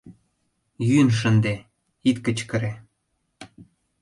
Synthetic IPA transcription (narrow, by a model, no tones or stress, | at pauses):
jynʃ̬ə̆nd̪e | it̪kə̆t͡ɕkə̆ɾe